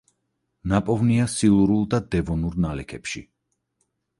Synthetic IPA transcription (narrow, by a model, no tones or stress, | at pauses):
napʼɔvniasilˠuɾulˠd̪ad̪ɛvɔnuɾnalɛkʰɛpʃḭ